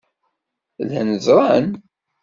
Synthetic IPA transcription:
lænəzɾˤɑn

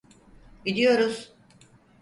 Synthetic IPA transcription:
ɟid̪ijo̞ɾuz̥

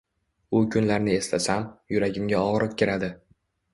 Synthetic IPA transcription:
ʊkʲʰʊnlaɾnɪe̞slasamjʊɾaɡʲɪmɡʲaɒʁɾɨq̚kʲeɾad̪ɪ

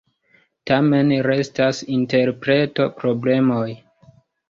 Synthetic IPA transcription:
tame̞nɾe̞stasinte̞ɾpɾe̞to̞pɾo̞ble̞moj

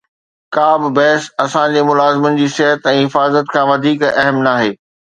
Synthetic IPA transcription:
kaːbɪ̆bɛɦsɐsãd͡ʑeːmʊlaːzɪmʊnɪ̆d͡ʑiːsɪɦət̪ɛ̃ːɦɪfaːzət̪kʰãːʋɐd̪ʱiːkɛɦmnaːɦeː

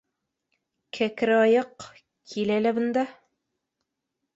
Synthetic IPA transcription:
kʰækɘ̆ɾɑjɤq | kʰilælæbɤ̆nd̪ɑ

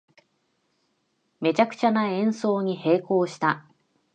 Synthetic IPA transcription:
me̞t͡ɕakɯ̟̥t͡ɕanaẽ̞ɰ̃so̞ːɲ̟ihe̞ːko̞ːɕi̥t̪a

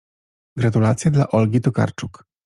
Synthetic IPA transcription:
ɡɾat̪ulat̪sʲjad̪laʔɔlɡʲit̪ɔka̰ɾt͡ʂuk

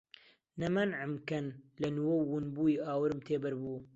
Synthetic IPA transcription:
nɐmɐnʕɪmkɐnlɐnwɐwːunbuːjiaːwɨɾmt̪ʰeːbɐɾbuː

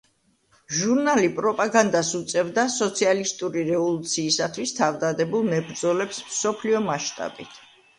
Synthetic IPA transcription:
ʒuɾnalipʼɾɔpʼaɡand̪asut̪sʼɛvd̪asɔt̪sʰialist̪ʼuɾiɾɛvɔlˠut̪sʰiːsat̪ʰwist̪ʰavd̪ad̪ɛbulˠmɛbɾd̪zɔlɛpsmsɔpʰliɔmaʃt̪ʼa̰bit̪ʰ

